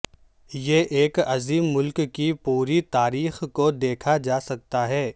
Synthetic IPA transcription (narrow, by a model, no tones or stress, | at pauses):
jeʔeːkɐziːmːʊlkkipuːɾit̪aːɾiːxkod̪eːkʰad͡ʒaːsɐk̚t̪aɦɛː